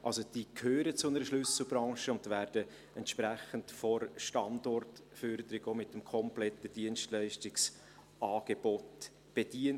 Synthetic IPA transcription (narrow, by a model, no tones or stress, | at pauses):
ʔɑlsod̥iːkʰhøːɾət͡sʊnəɾəʃlʏsl̩ˠbɾɑŋʃəʊntʋæːɾd̥ə | ɛntʃpɾæçəntfɔɾʃtɑndɔrt | føɾd̪əɾɪɡoːmɪtːəmkʰɔmplɛtːəd̥iənstlæɪʃtɪks | ɑːɡ̥ebot | b̥ed̥iən